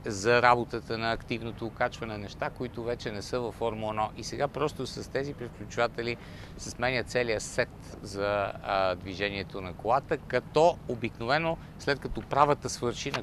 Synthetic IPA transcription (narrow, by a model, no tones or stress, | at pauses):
zɐɾabot̪ət̪ənɐːkt̪ivnot̪oːkat͡ʃvɐnɛnɛʃt̪akoit̪ʊvɛt͡ʃɛnɛsɤvɐfːɔɾmoːnoʔisɛɡapɾɔst̪osɐst̪ɛzipɾɛfklʲut͡ʃʊvat̪ɛli | sɐsmɛnʲət̪sɛlijəsɛt̪zɐd̪viʒɛniɛt̪onɐkolˠat̪əkɐt̪ɔobiknovɛno | slɛt̪kɐt̪ɔpɾavət̪əsvɤɾʃinɐ